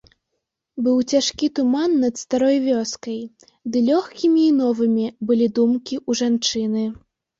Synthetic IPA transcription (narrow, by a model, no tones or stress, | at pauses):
bɨwt͡sʲaʂkʲit̪umanːɐt̪st̪aɾɔjvʲɔskɐj | d̪ɨlʲɔxkʲimʲiːnɔvɨmʲibɨlʲid̪umkʲiuʐant͡ʂɨnɨ